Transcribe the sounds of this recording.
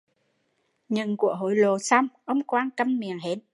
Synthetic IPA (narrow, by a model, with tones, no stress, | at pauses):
ɲɨ̰˧˨ŋku˧˩əɦo̰˧˩jlo˨˩sa˧wŋ͡mʔə˧wŋ͡mkwaː˧nkə˧mmi˨˩əŋɦe˨˦t̚